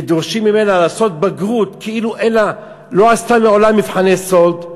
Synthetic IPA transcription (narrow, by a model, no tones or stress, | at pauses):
ed̪oʁʃimːime̞nalaːso̞t̪̚baɡʁut̪kʰeiluʔena | lo̞ast̪ameo̞lamːivħaneso̞ld̪